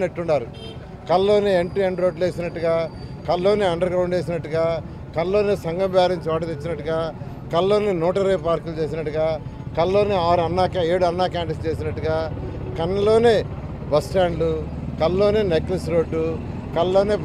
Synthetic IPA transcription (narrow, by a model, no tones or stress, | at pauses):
neʈːuɳɖaːɾu | kɐllo̞ːneːeɳʈiɐɳɖɾoːɖleːsinɐʈːuɡaːkɐllo̞ːneːɐɳɖɐɾɡɾɐwɳɖt͡ʃe̞ːs̬inɐʈːuɡaː | kɐllo̞ːneːsɐŋɡɐmbjaːɾiɲt͡ʃiaːʈut̪et͡ʃːinɐʈːuɡaː | kɐllo̞ːneːnɔːʈɐɾeːpaːɾkɐlut͡ʃe̞ːs̬inɐʈːuɡaːkɐllo̞ːneːaːɾuɐnːaːkaeːɽuɐnːaːkaːɳʈist͡ʃeːs̬inɐʈːuɡaː | kɐnːɐlo̞ːne̞ː | bɐsʈaːɳɖlu | kɐllo̞ːne̞ːneklɐsɾo̞ːɖːu | kɐlɐloːneː